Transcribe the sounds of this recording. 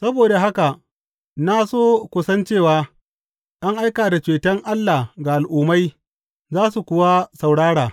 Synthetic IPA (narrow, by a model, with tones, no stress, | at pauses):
sɐ˦boː˨da˨ɦa˦ka˨ | na˦soː˦kʷʊ˦sɐ˦nt͡ʃeː˦˨waː˦ | ʔa˦ŋʔa˦jkaː˨da˨t͡ʃeː˨tɐ˦ŋʔa˦lːa˨ɡa˨ʔa˨lʔuː˨ma˦j | zaː˦su˨kʷʊ˦wa˦sa˨wɽaː˦ɽaː˨